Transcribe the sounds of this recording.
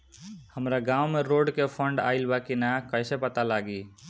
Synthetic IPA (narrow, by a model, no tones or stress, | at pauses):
həmɾaɡãumeɾoɖkepʰəɳɖa̰ilbakinakəɪsepət̪alaɡi